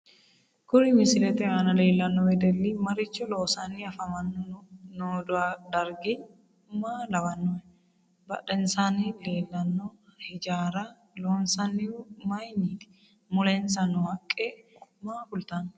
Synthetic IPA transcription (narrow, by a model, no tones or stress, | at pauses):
kʊɾɪmɪsɪlɛt̪ɛjaːnɐleːlːɐnːɔbɛd̪ɛlːimɐɾɪt͡ʃːɔloːsanːiɐfɐmɐnːɔnʊnoːd̪ʊad̪ɐɾɡɪ | maːlɐbɐnːɔ | bɐ̰ᶑɛnsanieːlːɐnːɔhɪd͡ʒaːɾa | loːnsɐnːɪʊmɐjnit̪ɪ̥ | mʊlɛnsɐnːʊhɐkʼːeːmaːkʊlt̪anːɔ̥